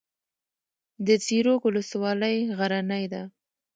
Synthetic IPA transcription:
d̪ət͡siɾokʊləswɑləjɣaɾanajd̪a

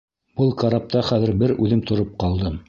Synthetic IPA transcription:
b̥ɤlˠkɑɾɑp̚t̪ɑχæðɘ̆ɾbɘɾʉðɘmt̪ŏɾop̚qɑlˠd̪ɤm

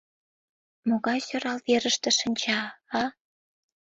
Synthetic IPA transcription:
moɣɑjsøɾɑlβeɾəʃt̪ĕʃənʲt͡ɕɑɑ

